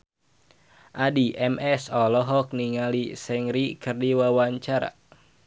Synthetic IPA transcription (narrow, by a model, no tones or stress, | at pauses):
ʔadiʔɛmɛsɔlɔɦɔk̚niŋalisɛŋɾikɨrdiwawaɲt͡ʃaɾa̰